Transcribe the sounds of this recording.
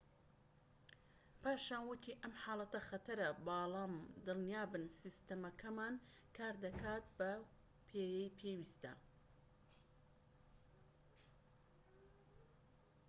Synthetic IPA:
pʰaːʃaːnwʊt̪ʰiːʔɐmħaːlˠɐt̪ɐxɐt̪ʰɐɾɐbaːlaːmd̪ɨlnijaːbɨnsist̪ɐmɐkʰɐmaːn | kʰaːɾd̪ɐkʰaːt̪̚bɐ | pʰeːjɛjpʰeːwiːst̪ɐ̰

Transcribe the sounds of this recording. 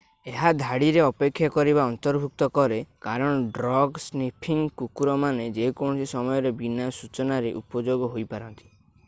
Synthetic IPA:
eɦad̪ʱaɽiɾeɔpekʰːjakɔɾibaɔnt̪ɔɾbʱuk̚t̪ɔkɔɾekaɾɔɽ̃ɔɖɾɔɡsnipʰiŋkukuɾɔmaned͡ʒekɔɳ̃ɔsisɔmɔjɔɾebinasut͡ʃɔnaɾeʔupɔd͡ʒoɡɔɦojpaɾɔnt̪i̥

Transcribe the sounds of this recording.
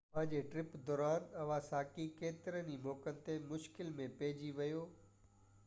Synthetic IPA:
pə̃ɲd͡ʑeːʈɾɪpd̪ɔːɾaːnɐʋãsaːkikeːt̪ɪɾənimɔːkənɪ̆t̪emʊʃkɪlmẽpeːd͡ʑiʋɐjoː

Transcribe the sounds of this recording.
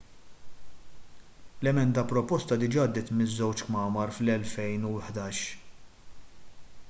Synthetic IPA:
lɛmɛnd̪ɐpɾɔpɔst̪ɐd̪ɪd͡ʒɐːɐd̪ːɪːt̪mɪzːɛwt͡ʃkmɐːmɐɾflɛlfɛjnuħd̪ɐːʃ

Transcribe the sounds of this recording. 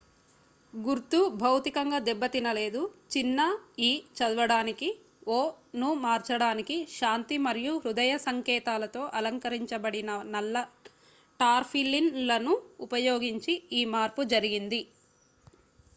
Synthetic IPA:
ɡuɾt̪ubʱɐwt̪ikɐŋɡaːd̪ɛbːɐt̪inɐle̞ːd̪ut͡ʃinːɐiːt͡ʃɐd̪uʋɐɽaːniki | oː | numaːɾt͡ʃɐɽaːnikiʃaːnt̪imɐɾijuɾud̪ɐjɐsɐŋkɛːt̪aːlɐt̪o̞ːʔɐlɐŋkɐɾiɲt͡ʃɐbɐɽinɐnɐlːɐ | ʈaːɾpʰilːinlɐnuːpɐjoːɡiɲt͡ʃiiːmaːɾpud͡ʒɐɾiɡind̪i

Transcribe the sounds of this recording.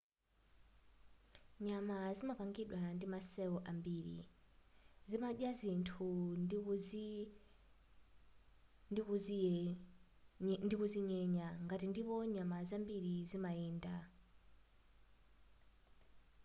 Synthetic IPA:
ɲamazimapaŋɡiɗwandimasɛɔʔambiɾḭ | zimaɗjazintʰu | ndikuziɲɛɲaŋɡatindipɔɲamazambiɾizimaiːnda

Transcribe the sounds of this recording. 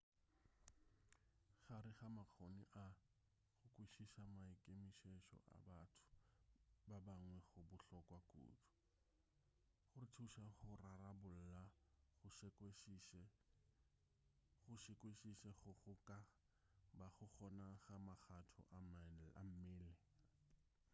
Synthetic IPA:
χaɾɪχamak͡xʰoniʔa | χʊkʼwiʃiʃamaikʼemiʃeʃɔ̰ʔa̰batʰʊ̥ | babaŋwɛχʊbʊɬɔkʼwakʼṵːtɔ̥ | χʊrɪtʰuʃaχʊrarabʊl̩laχʊʃkeʃ | χʊʃɪkʼweʃiʃɛχʊχʊkʼa | baχʊχɔnaɣamaχʰatʰʊ̰ʔama̰m̩mɪːlɪ

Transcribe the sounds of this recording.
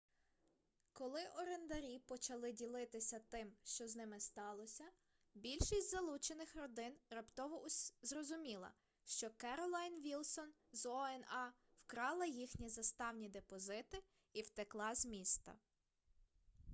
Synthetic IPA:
kɔlˠɪʔɔɾend̪ɐɾʲipɔt͡ʃɐlˠɪdʲilˠɪt̪ɪsʲɐt̪ɪmʃt͡ʃɔznɪmɪst̪ɑlˠɔsʲɐ | bʲilʲʃisʲtʲzɐlˠut͡ʃenɪxrɔd̪ɪnrɐpt̪ɔʋɔʊzrɔzʊmʲilˠɐ̰ | ʃt͡ʃɔkɛɾɔlˠɑjnʋʲilˠsɔn | zɔɛnɑ | wkɾɑlˠɐjixnʲizɐst̪ɑwnʲid̪epɔzɪt̪ɪ | iwt̪eklˠɑzʲmʲist̪ɐ̰

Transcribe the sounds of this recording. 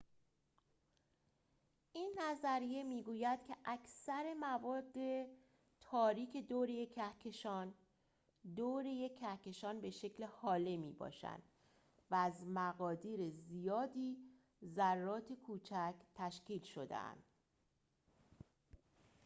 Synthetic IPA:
ʔiːnːæzæɾije̞miːɡuːjæd̪̥cʰe̞ʔækʰsæɾe̞mævɒːd̪ːe̞ | t̪ʰɒːɾiːcʰe̞d̪oːɾejecʰæhcʰeʃɒːn | d̪oːɾejecʰːæhce̞ʃɒːnbe̞ʃe̞cʰlehɒːlemiːbɒ̰ːʃæ̰nd̪̥ | væːzmæɣɒːd̪iːɾezijɒːd̪iː | zærːɒːt̪ʰe̞kʰuːt͡ʃʰæcʰt̪ʰæʃciːlʃo̞d̪ḛæ̰nd̪̥

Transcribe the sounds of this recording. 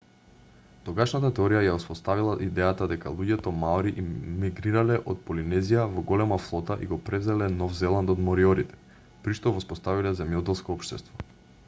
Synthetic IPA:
t̪ɔɡaʃnat̪at̪ɛɔɾijajaɔspɔst̪avilˠaʔid̪ɛjat̪ad̪ɛka̰lˠuɟɛt̪ɔmaɾiʔmːiɡɾiɾalɛʔot̪̚polinɛzijavɔɡɔlɛmaflˠɔt̪aʔḭɡopɾɛvzɛlɛnɔvzɛlˠant̪od̪mɔɾiɔɾit̪ɛ̥ | pɾiʃt̪ɔvɔspɔst̪avilɛzɛmjɔt̪ɛlˠskɔɔpʃt̪ɛst̪vɔ

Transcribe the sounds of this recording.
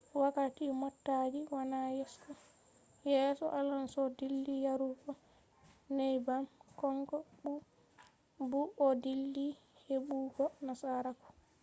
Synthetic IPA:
wakatimɔtːad͡ʒiwanajɛskɔ | jɛːsɔ̰ʔalansɔdilːijaɾukɔ | nɛjbamkɔŋkɔɓu | buʔɔdilːi | heɓuːɡɔnasaɾakɔ̥

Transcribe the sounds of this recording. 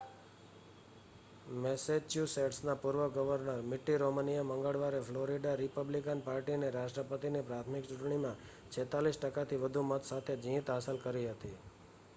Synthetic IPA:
mɛsed͡ʒt͡ʃjuseʈsnapuɾʋəɡəʋəɾnəɾmɪʈːiɾomənijaməŋɡəɭʋaɾefʰloɾiɖaɾɪpəblikənpaɾʈineɾaʃʈɾəpət̪inipɾat̪ʰmɪkt͡ʃuʈɳimã | t͡ʃʰet̪alisʈəkat̪ʰiʋəd̪ʱumət̪sat̪ʰed͡ʒĩt̪ɦasəlkəɾiɦət̪i

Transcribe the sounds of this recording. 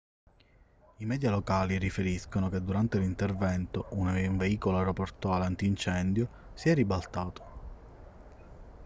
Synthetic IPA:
imɛːd̪jalokaːlirifeɾiskonoked̪ːuɾant̪elint̪ervɛnt̪oʔunuɱveiːkoloaɾoport̪ɔalant̪iːnt͡ʃɛnd̪jo | siɛrːibalt̪aːt̪o̥

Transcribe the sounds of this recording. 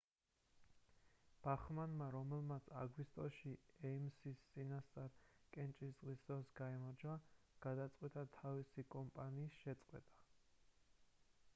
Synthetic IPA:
b̥aχmanmaɾɔmɛlmat̪sʰa̰ɡwist̪ʼɔʃiɛimsist̪sʼinast̪sʼaɾkʼɛnt͡ʃʼiszʁisd̪ɔsɡaɛmɔɾd͡ʒa | ɡ̥ad̪at̪sʼqʼwɛt̪ʼat̪ʰavisikʼɔmpʼaniːsʃɛt̪sʼqʼwɛ̰t̪ʼḁ

